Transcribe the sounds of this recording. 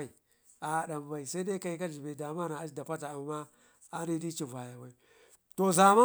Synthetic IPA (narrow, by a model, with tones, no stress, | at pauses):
i˨ | a˨ɗa˨m˨ba˨i˨sa˦i˦da˦ka˨i˦ka˦d͡ʒi˨be˨da˨ma˦na˨a˦da˨pa˦ta˨a˨mːa˦ | a˦ni˦di˦t͡ʃi˨va˨ja˨wa˨˦i˦˨ | to˨za˨ma˦